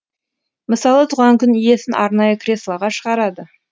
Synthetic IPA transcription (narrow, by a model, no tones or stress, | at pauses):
məsɑlˠət̪ʰuʁɑŋkʲʰʏnʏje̞sɪnʔɑ̰ɾnɑjəkʰʲɾʲe̞slˠɑʁɑʃəʁɑɾɑd̪ə